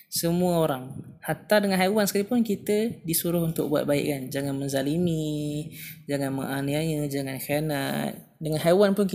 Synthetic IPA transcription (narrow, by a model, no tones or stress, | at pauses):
səmũəoɾaŋhat̪adəŋanɦawansəkalipʊnkit̪ədisuɾʊhunt̪ʊk̚bua̰t̪̚baɪ̰ʔkand͡ʒaŋanmənzalimi | d͡ʒaŋanmə̰ŋaniajəd͡ʒaŋankaana̰t̪̚ | dəŋanɦawanpʊnk